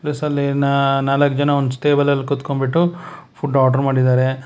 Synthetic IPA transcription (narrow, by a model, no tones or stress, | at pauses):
plisɐlːinnaːlɐkːd͡ʒɐnɐond̪usʈeːbɐlɐlːikut̪kombiʈːupʰuɖaːʈɐɾmaːɽid̪aːɾe